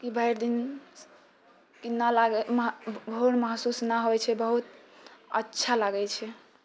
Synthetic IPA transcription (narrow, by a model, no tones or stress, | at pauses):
kibʱəjɾd̪in | kinːalaɡɛmbʱouɽməɦsusnaɦoɛt͡ʃʰɛbəɦut̪ə̰tːʃʰalaɡɛt͡ʃʰɛ